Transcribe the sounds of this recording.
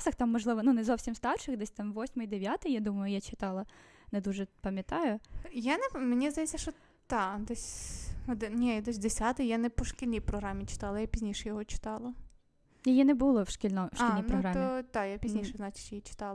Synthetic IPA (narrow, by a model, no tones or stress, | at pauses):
sɐxt̪ɑmːɔʒlˠɪʋɔnunɛzɔwsʲimst̪ɑrʃɪxd̪ɛsʲt̪ɑmʋɔsʲmɪjd̪eʋʲjat̪ɪjad̪umɐjʊjat͡ʃɪt̪ɑlˠɐ | nɛd̪uʒɛpɐmʲjɐt̪ɑjʊjanɛmenʲizd̪ɐjɛt͡sʲːɐʃt͡ʃɔ | t̪ɑd̪ɛsʲɔd̪ɪnnʲɛd̪ɔsʲd̪esʲat̪ɪjjanɛpɔʃkʲilʲnʲijpɾɔɦɾamʲit͡ʃɪ̥t̪ɑlˠɐjapʲizʲnʲiʃɛjɔɦɔt͡ʃɪ̥t̪ɑlˠɐ | jɔjinɛbulˠɔwʃkʲilʲnɔʃilnʲijnpɾɔɦɾɑmɔt̪ɑjapʲizʲnʲiʃɛznɑt͡ʃɪ̥t͡ʃjit͡ʃɪ̥t̪ɑlˠɐ